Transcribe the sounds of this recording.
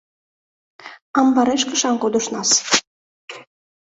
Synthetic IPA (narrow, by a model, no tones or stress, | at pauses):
ɑmbɑɾeʃkə̆ʃɑŋkod̪ŏʃnɑs